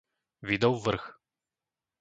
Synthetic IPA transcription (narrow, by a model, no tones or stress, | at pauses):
vʲid̪ɔwvr̩x